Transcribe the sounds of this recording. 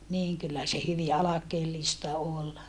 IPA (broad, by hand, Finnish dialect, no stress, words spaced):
niːŋ kylːæ se hyʋi ɑlɑkeːlːistɑ ol